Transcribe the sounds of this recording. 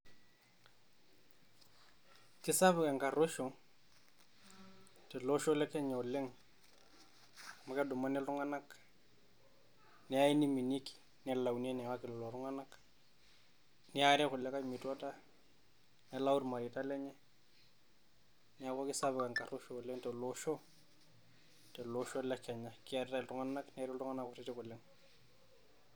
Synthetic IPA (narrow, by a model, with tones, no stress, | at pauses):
kɪ˦sa˦βɪ˨ka˨ŋka˨ɾo˦ʃo˨ | tɪ˨lɔ˦ʃɔ˦lɛ˦kɛ˦ɲɛ˨ɔ˨lɪ˦ŋ | a˨ma˨kɛ˦dʊ˨ma˦nɛ˦lʊ˦ŋa˦na˦k | nɪ˦a˦i˦ni˦mi˨ni˦ki̥˨ | nɛ˨la˨wn˦ɛ˦nɛ˨wa˦kɪ˨lɔ˨lɔ˨ɾʊ˦ŋa˦na˦k | nɛ˦a˦ɾɛ˦kʊ˨lɛ˦ka˦mɪ˨tu˦a˦ta˦ | nɛ˦la˦u˦ɾma˨ɾi˨ta˦lɛ˦ɲɛ˦ | nɪ˦a˦ko˦kɪ˦sa˦βɛ˨ka˨ŋka˨ɾu˦ʃo˨lɛ˦ntɛ˨lo˦ʃɔ˦ | tɛ˨loʃɔ˦lɛ˦kɛ˨ɲa˨ki˦a˨ɾta˦ɪ˨ltu˦ŋa˦na˦kni˦a˦ɾɛ˦lu˦ŋa˦na˦kʊ˨ti˦tɪ˦kʊ˨lːɪ˦ŋ